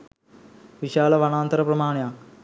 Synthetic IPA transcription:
ʋiʃaːlɐʋɐnaːnt̪ɐɾɐpɾɐmaːɳjaː

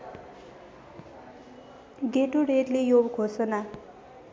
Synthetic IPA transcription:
ɡeʈuɾeʈlejobkʰosʌna

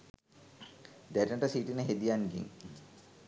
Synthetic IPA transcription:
d̪æɾinəʈəsiʈinəɦed̪ijaŋɡḭŋ

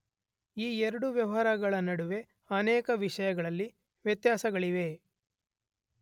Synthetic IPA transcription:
iːɛɾɐɽuʋjɐʋɐɦɾɐɡɐɭɐnɐɽuʋe̞ | ɐnɛːkɐʋiʂɐjɐɡɐɭɐlːi | ʋjɐt̪jaːsɐɡɐɭiʋe̞

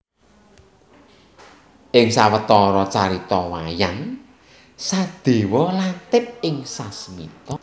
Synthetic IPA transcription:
ʔɪŋsawət̪ɔɾɔt͡ʃaɾit̪ɔwajan | sad̪̥e̤wɔlat̪ɪp̚ɪŋsasmit̪ɔ

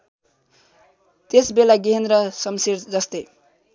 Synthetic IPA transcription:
t̪esbelaɡiɦend̪rʌsʌmsiɾd͡zʌst̪ej

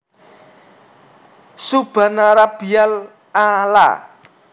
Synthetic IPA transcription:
sub̥a̤naɾab̥ial | ala̰

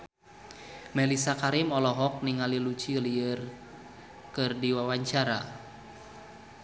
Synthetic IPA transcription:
mɛlisakaɾimɔlɔɦɔk̚niŋalilut͡ʃiliər | kɨrdiwawaɲt͡ʃaɾa

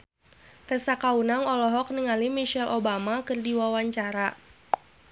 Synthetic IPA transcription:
t̪ɛsakaunaŋɔlɔɦɔk̚niŋalimiʃɛlʔobamakɨrdiwawaɲt͡ʃaɾa

